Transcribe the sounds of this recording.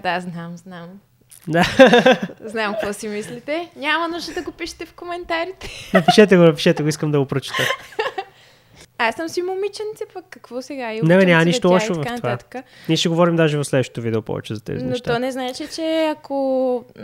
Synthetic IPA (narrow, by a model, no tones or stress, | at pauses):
d̪aznamznam | d̪a | znamkkvɔsimislit̪ɛnʲamɐnuʒd̪əd̪ɐɡopiʃɛ̥t̪ɛfkomɛnt̪aɾit̪ɛnɐpiʃɛt̪ɛɡonɐpi̥ʃɛt̪ɛɡoiskəmd̪ɐɡopɾot͡ʃi̥t̪ə | asəmsimomit͡ʃɐnit̪sɛpɐkːɐkvɔsɛɡainɛbɛnʲɲamɐniʃʃt̪ollˠɔʃtoɐvɐkfatnovat̪ə̥kəniɛʃɛɡovɔɾimd̪aʒɛvɐfslɛd̪vəʃɛ̥t̪ovid̪ɛopɔ̰vɛ̰t͡ʃɛ̰zɐt̪ɛ̰zinɛnoʃt̪aɔnɛznaɛt͡ʃit͡ʃɛɐko